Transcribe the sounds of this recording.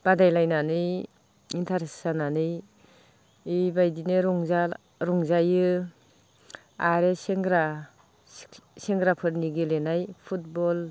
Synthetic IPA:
b̥adajlajnanɯj | intʰaɾessananɯj | ibajdineɾɔŋza | ɾɔŋzajɯ | aɾeseŋɡɾa | seŋɡɾapʰɯɾniɡelenajpʰut̚bɔl

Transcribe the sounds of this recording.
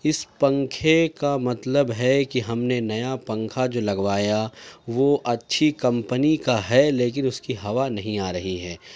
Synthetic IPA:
ɪspɐ̃ŋkʰekamɐt̪ləbɦɛkiɦɐmnenɐjapɐ̃ŋkʰad͡ʒoːlɐɡʋaːjaʋoʔɐtːʃʰikɐ̃mpənikaɦɛleːk̬ɪnʊskiɦɐʋanɐɦĩaːɾɐɦiɦɛː

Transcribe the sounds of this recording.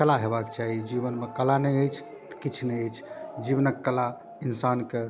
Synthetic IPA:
kəlaɦebakt͡ʃaɦid͡ʒibənmekəlanɛəjt͡ʃʰ | t̪ə̥kit͡ʃʰneəjt͡ʃʰd͡ʒibnəkːəla | insanke

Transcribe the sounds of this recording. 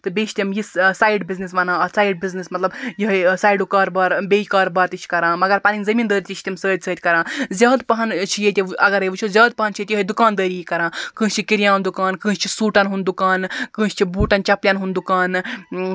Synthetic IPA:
t̪ɨbʲet͡ʃʰʲt̪ʲimjissaːjɖbiznis̬ʋɐnãːɐsaːjɖ̚biznismɐt̪lɐbjiɦəjsaːjɖukaːɾbaːɾbʲejikaːɾbaːɾt̪it͡ʃʰi̥kɐɾãːmɐɡɐɾpaːninzɐmiːnd̪əːɾit̪ʲit͡ʃʰt̪ʲimsəːt̪̚ʲsəːt̪ʲkɐɾãːzʲaːd̪pɐɦɐnt͡ʃʰijet̪ʲiɐɡɐɾɐjʋut͡ʃʰuzʲaːd̪̚pɐɦɐnt͡ʃʰijet̪jiɦəjd̪ukaːnd̪əːɾiːkɐɾãːkɨ̃ːsʲt͡ʃʰikiɾjãːnd̪ukaːnkɨ̃ːst͡ʃʰisuːʈanɦund̪ukaːnkɨ̃ːst͡ʃʰibuːʈɐnt͡ʃɐpljãːnɦund̪ukaːn

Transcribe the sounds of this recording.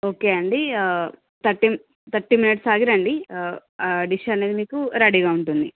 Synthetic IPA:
o̞ːkeɐɳɖi | t̪ɐʈːim | t̪ɐʈːiminiʈsaːɡiɾɐɳɖi | ɖiʃɐneːd̪imiːkuɾɐɽiɡaːuɳʈund̪i

